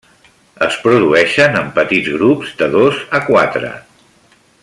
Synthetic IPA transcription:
əspɾuðuɛʃənəmpət̪id͡zɣɾupzd̪əðozəkwat̪ɾə̰

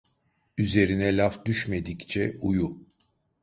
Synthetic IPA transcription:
yze̞ɾinɛlʲafd̪yʃme̞d̪ict͡ʃʰɛuju

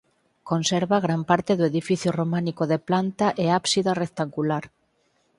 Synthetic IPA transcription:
konseɾβaɣ̞ɾampaɾt̪eðoeðifiθjoromãnikoðeplant̪aʔeapsiðarek̚t̪aŋɡulaɾ

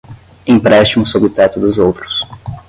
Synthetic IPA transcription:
ĩpɾɛst͡ʃimʊsobɪʊt̪ɛt̪ʊd̪ʊzowt̪ɾʊ̥s

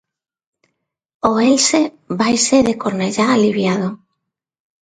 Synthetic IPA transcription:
oelse | βajseðekoɾneʎaːliβjað̞o

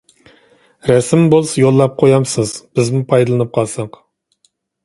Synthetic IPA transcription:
ɾɛsɪmbolˠsɑjolˠːɑp̚qʰojɑmsɨzb̥ɪzmupʰɑjd̪ɨlˠɨnɨp̚qʰɑlˠsɑq

